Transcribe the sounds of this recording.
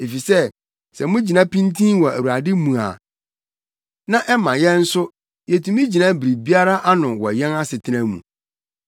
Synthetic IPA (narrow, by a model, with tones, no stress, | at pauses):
e˨fi˨sɛ˦ | sɛ˨mʊ̃˦d͡ʑi˨nã˦pĩ˦ntʰĩ˦wɔ˨æ̰˨wu˨ɾa˨dɪ˦mũ˨a̰˨ | nã˦ʔɛ˦mã˨jɛ̃˦n̩˦sʊ˦ | jɛ˨tʰũ˨mĩ˦d͡ʑi˨nã˦bi˨ɾi˨bi˦a˦ɾa˦ʔa˦nʊ̃˨wɔ̰˨jɛ̃˦na˦sɪ˨tʰɪ˦nã˦mṵ̃˨